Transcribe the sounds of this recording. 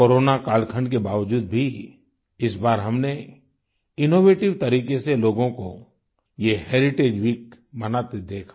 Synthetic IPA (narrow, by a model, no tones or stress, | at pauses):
koːɾoːnakaːlkʰə̃ɳɖkebaːʋd͡ʒuːd̪bʱi | ɪsbaːɾɦɐmne | ɪnoːʋeːʈɪʋt̪ɐɾiːkeseloːɡõko | jeheːɾɪʈeːd͡ʒwiːk̚ | mɐnat̪ed̪eːkʰḁ